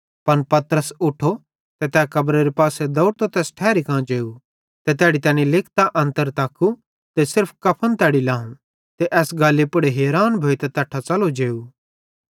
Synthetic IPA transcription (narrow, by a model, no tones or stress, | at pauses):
pɐnpɐt̪ɾəsʊʈʰo | t̪et̪ɛːkɐbɾeɾipaːsed̪ɔʊʈt̪ot̪ɛːsʈʰɛːɾikãːt͡ʃeːu | t̪et̪ɛːɽit̪ɛːnĩlɪkʰt̪aʔɐ̃nt̪əɾt̪aːkʰːu | t̪esɪɾpʰkɐpʰənt̪ɛːɽilaːũ | t̪eʔɛːsɡaːlːipʊɽeɦeːɾaːnbʱoːit̪ɛt̪ɐʈʰːat͡sɐlod͡ʒeːu